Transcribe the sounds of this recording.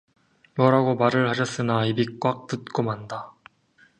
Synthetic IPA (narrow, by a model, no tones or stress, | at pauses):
jʌɾaɡomaɾɯɭhaɕʰʌs͈ɯnaibik̚k͈wak̚t͈ɯt̚k͈omanda